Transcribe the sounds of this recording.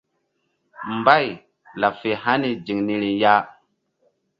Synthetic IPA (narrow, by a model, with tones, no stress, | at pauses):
mba˦˨j | la˨fe˨ha˦ni˦d͡ʒi˨ŋni˦ɾi˨ja˦